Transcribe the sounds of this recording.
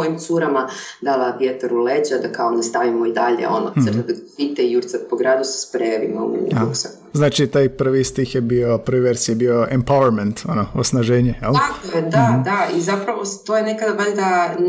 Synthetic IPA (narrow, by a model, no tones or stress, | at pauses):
oimsuɾama | d̪alaʋjet̪aɾuled͡ʑad̪akaonast̪aʋimoid̪aʎḛo̞̰nosərt̪ed̪aɡpit̪ɛijuɾt̪sapoɡɾaːd̪usɛ̥spɾejaʋimo̰uksa | znaːt͡ʃit̪aːjpr̩ʋist̪ixjebio̞pɾʋiʋeɾsijebio̞ʔempawɛɾment̪o̞noo̰snaʒeːɲejelˠakojed̪ad̪aizapɾaʋost̪ojene̞kad̪abaʎd̪a